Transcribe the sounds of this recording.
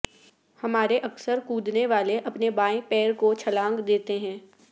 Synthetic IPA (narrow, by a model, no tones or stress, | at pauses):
hɐmaːɾeʔɐksəɾkuːd̪neʋaːleʔɐpnebaːẽpɛːɾkot͡ʃʰɐlãːŋɡd̪eːt̪eɦɛ̃ː